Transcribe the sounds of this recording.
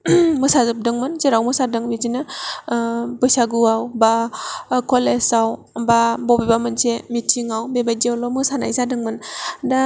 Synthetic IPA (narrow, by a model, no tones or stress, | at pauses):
mɯsazɯp̚dɯŋmɯnzeɾawmɯsadɯŋbizinɯ | bɯjsaɡɯawbakʰɔlesaw | babɔbebamɯnsemitʰiŋawbebajdiawlɔmɯsana̰jsadɯŋmɯnda